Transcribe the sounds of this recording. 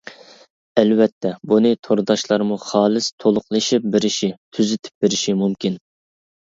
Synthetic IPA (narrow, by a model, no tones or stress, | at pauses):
ɛlwɛt̪ʰːɛbunɨt̪ʰoɾd̪ɑʃlˠɑɾmuχɑːlˠɨst̪ʰolˠʊqlˠɨʃip̚bɪɾɪʃit̪ʰyzɪt̪ʰɪ̥p̚beɾɪʃimumkʲin